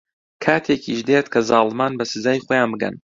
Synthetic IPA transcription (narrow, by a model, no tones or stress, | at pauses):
kʰaːt̪ʰekʰiʃd̪et̪kʰɐzɑːlˠmaːnbɐsɨzaːjχoːjaːnbɨɡɐ̰n